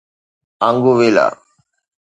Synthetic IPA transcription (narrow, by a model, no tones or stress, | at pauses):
aŋɡuʋela̰ː